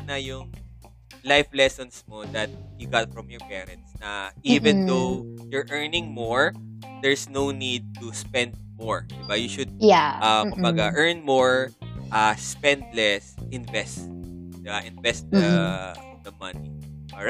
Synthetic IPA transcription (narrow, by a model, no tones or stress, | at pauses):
nɐjʊŋ | lajflɛsɔnsmod̪ɐt̪̚jʊɡat̪̚fɹɐmjɔɹpɛɾɛ̰̃nt̪̚snɐʔivɛ̃nd̪owjɔɹʔɛɹnɪ̃ŋmoɹd̪ɛɹsnownid̪̚t̪uspɛ̃nd̪̚mɔɹd̪ɪbajuʃʊd̪̚aʔɐkʊmbaɡɐʔɛɹnmoɹʔɐspɛ̃nd̪lɛsɪ̃nvɛst̪d̪ɪbaʔɪ̃nvɛst̪̚ɐ | d̪ɐmɐniɔɹa